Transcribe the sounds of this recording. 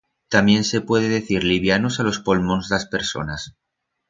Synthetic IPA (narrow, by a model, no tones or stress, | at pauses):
t̪amje̞nse̞pwe̞ð̞eðe̞θiɾliβ̞janosalo̞spo̞lmo̞nzðaspe̞ɾso̞̰nas